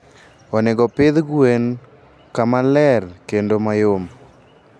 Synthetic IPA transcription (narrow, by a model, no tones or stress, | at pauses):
ɔneɡɔpɪðɡwen | kamalɛrkendomajom